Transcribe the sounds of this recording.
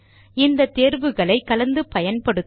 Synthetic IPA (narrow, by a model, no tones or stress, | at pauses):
ɪnd̪ɐt̪ːeːɾʋɯɣɐɭɐɪkːɐlɐnd̪ɯpɐjɐnpɐɽɯt̪